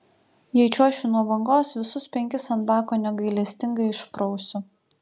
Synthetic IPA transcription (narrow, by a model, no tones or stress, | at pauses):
jɛɪt͡ʃʲuɔʃʲunuɔbɐŋɡoːsʋʲɪsʊspʲɛŋʲkʲɪsɐnbɑːkoːnʲɛɡɐɪlʲɛsʲt̪ʲɪŋɡɐɪɪʃpɾɔʊsʲʊ